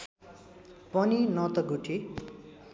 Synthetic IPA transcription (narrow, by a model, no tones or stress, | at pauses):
pʌninʌt̪ʌɡuʈʰi